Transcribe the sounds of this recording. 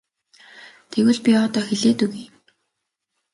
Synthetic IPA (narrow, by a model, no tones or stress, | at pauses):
t̪ʰeɣɘ̆ɮpʲiɔːt̪ɔːxeɮeːt̪uɣiː